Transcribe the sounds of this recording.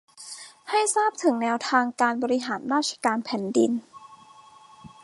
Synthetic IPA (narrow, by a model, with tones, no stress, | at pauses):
ha˥˩jsaː˥˩p̚t̪ʰɯ˩˦ŋnɛː˧wt̪ʰaː˧ŋkaː˧nbɔː˧ɾi˧ɦaː˩˦nɾaː˥˩t̪̚ʰḁ˧kaː˧npʰɛ˩˦ndḭ˧n